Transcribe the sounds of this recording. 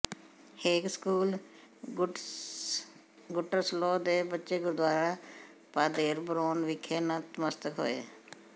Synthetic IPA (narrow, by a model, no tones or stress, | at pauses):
heːkskuːl | ɡʊʈːəɾsloːd̪eːbətːʃeːɡʊɾd̪waːɾaː | paːd̪eːɾbəɾoːnʋɪkʰːeːnət̪məst̪əkɦo̰ːḛː